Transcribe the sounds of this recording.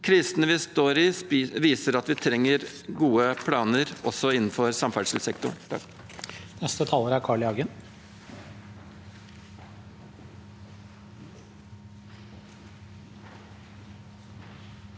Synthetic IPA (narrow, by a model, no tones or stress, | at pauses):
kʰɾɪst̪ənəʋɪst̪oːɾɪsʋiːsəɾɑt̪ʋɪt̪ʰɾɛŋːəɾ | ɡuːəpʰlɑːnəɾʔɔsɔɪnn̩fɔɾsɑmfæʂɪlsɛkt̪ʊ̰ɳt̪ʰɑk | nɛst̪ət̪ʰɑːloːɾæɾkʰɑːɭɪɑɡən